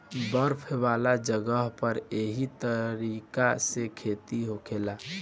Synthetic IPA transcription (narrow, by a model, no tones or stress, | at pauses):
bəɾpʰʋaːlad͡ʒəɡəɦpəɾeɦit̪əɾikasekʰeːt̪iɦokʰeːlaː